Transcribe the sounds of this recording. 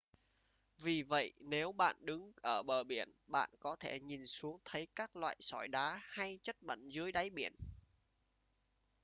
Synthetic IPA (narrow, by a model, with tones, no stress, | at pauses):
vi˨˩və̰˧˨jne˨˦wɓa̰ː˧˨nɗɨ˨˦ŋʔəː˧˩ɓəː˨˩ɓi˧˩ənɓa̰ː˧˨nkɔ˨˦t̪ʰe˧˩ɲi˨˩nsu˨˦əŋt̪ʰə˨˦jkaː˦˥k̚lwa̰ː˧˨jsɔ˧˩jɗaː˨˦ha˧jt͡ɕə˦˥t̚ɓə̰˧˨nzɨ˨˦əjɗa˨˦jɓi˧˩ən